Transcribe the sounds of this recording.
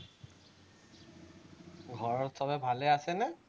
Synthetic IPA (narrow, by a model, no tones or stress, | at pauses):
ɡʱɔɹɔɹtʰɔbɛbʱalɛasɛnɛ